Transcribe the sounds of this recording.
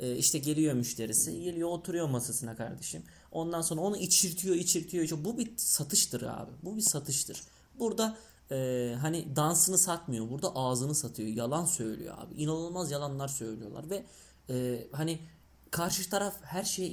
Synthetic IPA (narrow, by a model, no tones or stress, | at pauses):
ɛːiʃt̪ʰɛɟe̞lʲijo̞myʃlʲe̞ɾisḭjelʲijoot̪ʰuɾujo̞masasɯnakʰa̰ɾd̪e̞ʃim | o̞nd̪anso̞nɾao̞nuʔit͡ʃʰiɾt̪ʰijo̞it͡ʃʰiɾt̪ʰijoiʃɛbubisat̪ʰɯʃt̪ʰɯɾa̰ːbɪbubisat̪ʰɯʃt̪ʰɯɾ̥ | buɾd̪a | ɛːɦanid̪ansɯnɯsat̪mɯjo̞buɾd̪aʔaːzɯnɯsat̪ʰɯjo̞jalˠansø̞jlʲḭjo̞̰a̰ːbḭʔinanˠɯlˠmazjalˠanlˠaɾsø̞jlʲijo̞lˠa̰ɾvɛ | ɛːhani | kʰaɾʃɯt̪ʰaɾafhæɾʃejɛ